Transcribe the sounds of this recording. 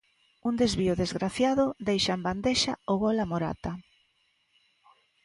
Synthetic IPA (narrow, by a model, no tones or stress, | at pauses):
und̪ezβiʊðezɣɾaθjaðʊd̪ejʃaemband̪eʃa̰ʊɣɔlamoɾa̰t̪a